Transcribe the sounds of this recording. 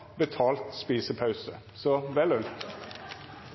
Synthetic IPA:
bət̪ʰɑːlt̪spiːsəpʰɑʉsə | sɔʋɛlʉnt̪

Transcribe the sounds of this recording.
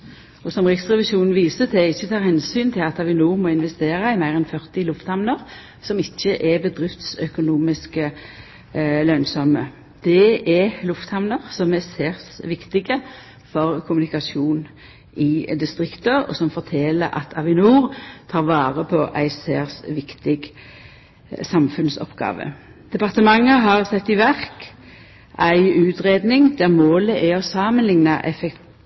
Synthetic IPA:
ɔsɔmʁɪksʁɛʋɪʃuːnn̩ʋiːsət̪ʰɛɪçːət̪ʰɑːʁhɛnsyːnt̪ʰɪlɑt̪ɑʋɪnuːʁmɔɪnʋɛst̪eːʁɑɪmæɪʁɛnfœʁt̪ɪlʊft̪hɑmnəʁ | sɔmɪçːəʔɛbəd̪ʁɪft̪sœkʊnuːmɪskə | lœnsɔmə | d̪̥ɛɛlʊft̪hɑʋnəʁsɔmɛseːʁsʋɪkt̪ɪɡə | fɔʁkʰʊmʉnɪkɑsuːn | ɪd̪ɪst̪ʁɪkt̪əɔ̰sɔmfɔʁt̪ʰɛləɾʔɑ̰t̪ʰɑʋɪnuːʁt̪ʰɑːʁʋɑːʁəpʰɔʔæ̰ɪseːʁsʋɪkt̪ɪɡ | sɑmfʉnsɔ̰pɡɑ̰ːʋə̰ | d̪̥ɛpɑʁt̪əmɑŋːəɦɑʁsɛt̪ːɪʋæʁk | ʔæɪʉːt̪ʁeːd̪nɪŋd̪æmoːləʔæɔsɑmənlɪŋnɑʔɛfɛk

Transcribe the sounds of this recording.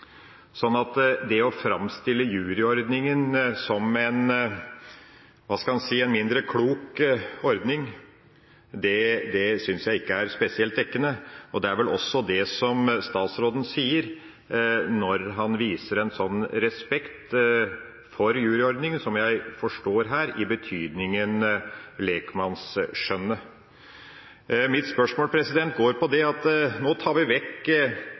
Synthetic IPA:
sɔnːɑt̪d̪ɛɔfɾɑmst̪ɪlːəjʉːɾɪɔɾd̪nɪŋənsɔmɛn | ʋɑːskɑlhɑnsiːɛnmɪnd̪ɾəkʰluːkɔɾd̪nɪŋ | d̪ɛd̪ɛsʏnsjæɪɪkːəæɾspɛsɪɛlt̪̚d̪ɛkːənəɔd̪ɛæɾʋɛlʔɔ̰sːɔd̪ɛsɔmst̪ɑːt̪sɾoːd̪ən̩siːəɾ | nɔɾɦɑnʋiːsəɾɛnsɔnːɾɛspɛkt̪ | fɔɾjʉːɾɪɔɾd̪nɪŋənsɔmjæɪfɔʂʈoːɾɦæːɾɪbət̪ʰyːd̪nɪŋənleːkmɑnsʂœnːə | mɪt̪spœʂmoːlpʰɾɛsɪd̪ɛnt̪̚ɡoːɾpɔd̪ɛɑt̪noːt̪ʰɑːɾʋɪʋɛkː

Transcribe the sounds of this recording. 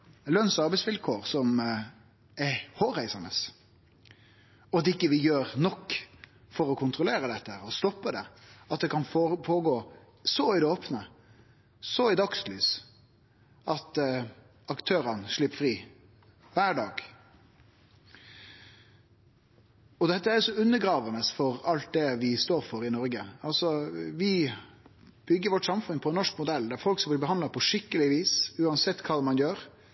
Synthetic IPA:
lœnsɑɾbæɪsʋɪlkʰoːʁsɔm | ɛhoːɾæɪsɑnə̰s | ɔd̪ɪkːəʋɪjøːɾnɔkː | fɔɾɔkʰʊnt̪ɾʊleːɾəd̪ɛt̪ːəæɾɔst̪ɔpːəd̪ɛɑt̪̚d̪ɛkʰɑnfpʰoːɡoː | sɔɪd̪ɛoːpnə | sɔɪd̪ɑkslyːs | ʔɑt̪ | ɑkt̪ʰøːɾənʂɭɪpfɾiː | ʋæːɖɑːɡ̥ | ɔd̪ɛt̪ːəæɾjʊsɔʉnːəɡɾɑːʋɑnəsfɔɾɑlt̪̚d̪ɛʋɪst̪oːɾfɔɾɪnɔɾɡəɑlsɔʋɪ | b̥ʏɡːəɾʋɔʈsɑmfʉnpʰɔɛnːɔʂkmʊd̪ɛld̪æɾfɔlksɑb̪ɪbəhɑnd̪lɑpʰɔʂɪkːəlɪʋiːsʉːɑnsɛt̪ːkʰɑːmɑnjøːɾ

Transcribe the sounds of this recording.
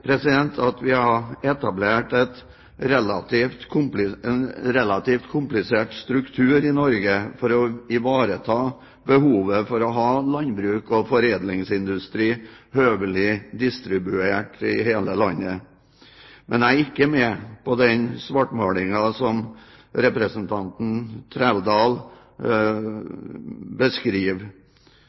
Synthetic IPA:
pʰɾɛsɪd̪ɛnt̪ʰɑt̪ʋɪhɑɛt̪ɑbleːʈɛt̪ | ɾɛlɑt̪ift̪kʰʊmplɪnɾɛlɑt̪iːft̪kʰʊmplɪseːʈst̪ɾʉkt̪ʰʉːɾɪnɔɾɡəfɔɾɔɪʋɑːɾət̪ʰɑː | bəhuːʋəfɔɾɔɦɑːlɑnbɾʉːkɔfɔɾeːd̪lɪŋsɪnd̪ʉst̪ɾiːhøːʋəlɪd̪ɪst̪ɾɪbʉeːʈɪ̰heːləlɑnːə | mʔɛnæɪɪkːəmɛpʰɔd̪ɛnsʋɑʈmɑːlɪŋɑsɔm | ɾɛpɾəsnt̪ʰɑnt̪n̩t̪ʰɾæld̪ɑːl | bəskɾiːʋ

